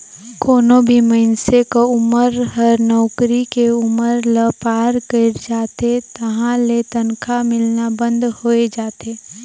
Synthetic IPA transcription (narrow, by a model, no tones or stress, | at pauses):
koːnõbʱiməɪnsekoʊməɾɦəɾnɔːkɾikeʊməɾləpaːɾkəɾd͡ʒaːt̪et̪ɐɦãlet̪ɐnkʰamɪlnabə̃nd̪hoːed͡ʒaːt̪eː